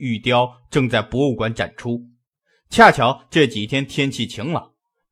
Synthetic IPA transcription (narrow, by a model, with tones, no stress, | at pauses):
y˥˩t̪jɑ˥ʊʈ͡ʂɤ˥˧ŋt͡sa˥˩ɪpwɔ˧˥u˥˩kwa˧˥nʈ͡ʂa̰˨˩nʈ͡ʂʰu˥ | t͡ɕʰja˥˩t͡ɕʰjɑ˧˥ʊʈ͡ʂɤ˥˩t͡ɕi˨˩t̪ʰjɛ˥nt̪ʰjɛ˥nt͡ɕʰi˥˩t͡ɕʰi˧˥ŋlə̰˨˩